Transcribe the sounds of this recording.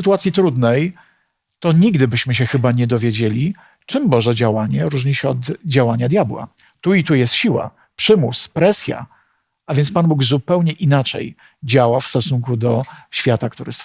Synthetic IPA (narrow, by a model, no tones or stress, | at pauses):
t̪uat̪sʲjit̪ɾud̪nɛj | t̪ɔɲiɡd̪ɘbɘɕmɘɕɛxɘbaɲɛd̪ɔvʲjed͡ʑelʲi | t͡ʂɘmbɔʐɛd͡ʑawaɲɛɾuʐɲiɕɛɔd̪d͡ʑawaɲad̪jabwa̰ | t̪uit̪ujɛst̪ɕiwa̰ | pʂɘmuspɾɛsʲja̰ | avʲjɛnt̪spanbuɡzupɛwɲɛʔinat͡ʂɛ̰j | d͡ʑawafst̪ɔsuŋkud̪ɔɕfʲjat̪ak̚t̪uɾɘs